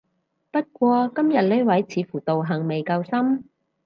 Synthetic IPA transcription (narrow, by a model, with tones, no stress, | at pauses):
pɐ˥t̚kʷɔː˧kɐ˥mjɐ˨t̚le˥wɐ˨˥jt͡sʰiː˨˧fuː˨˩t̪o˨wɦɐ˨˩ŋme˨jkɐ˧wsɐ˥m